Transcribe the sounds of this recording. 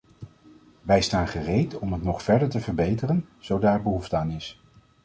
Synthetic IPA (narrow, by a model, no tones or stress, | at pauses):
ʋɛjstaːnχərejtɔmɦətnɔχfɛɹdəɹtəvəɹbejtərənz̥owdaːɹbəɦuftəaːnɪs